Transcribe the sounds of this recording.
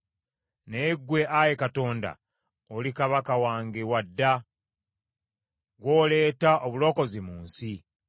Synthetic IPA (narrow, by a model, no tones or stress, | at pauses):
neɡwe̞ʔaje̞kato̞ːnda̰ | olikaβakawaːŋɡewadːa | ɡwoːle̞ːtaʔoβulo̞ːko̞zimuːnsi